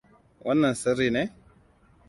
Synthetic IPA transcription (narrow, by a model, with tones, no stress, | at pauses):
wa˦nːa˨n˨sə˦ɾi˨nɛ˦